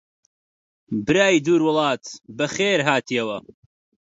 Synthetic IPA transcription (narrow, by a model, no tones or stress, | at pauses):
bɨɾaːjd̪uːɾwʊlˠɑːt̪bɐxeːɾɦaːt̪ʰijɐwɐ